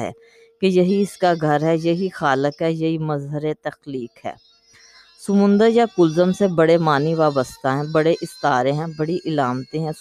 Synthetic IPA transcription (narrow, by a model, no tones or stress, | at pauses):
ɦɛ̰ː | kejɐɦiɪskaɡʱɐɾɦɛjɐɦixaːləkɦɛjɐɦimɐzɦəɾet̪ɐxliːkɦɛ̰ː | sʊmʊ̃nd̪əɾjakʊlzəmsebɐɽemaːniʋaːbəst̪aɦɛ̃ːbɐɽeʔɪst̪aːɾẽɦɛ̃bɐɽiʔɪlaːmt̪eɦɛ̃ː